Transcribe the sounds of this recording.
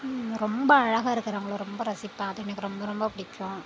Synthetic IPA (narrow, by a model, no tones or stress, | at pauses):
ɾɔmbɐɐɻɐɣaːɪɾɯkːɯɾɐɐŋɡɐɭõːɾɔmbɐɾɐsɪpːãːɐðɐnːɐkːɯɾɔmbɐɾɔmbɐpʊɽɪkʲːʊ̃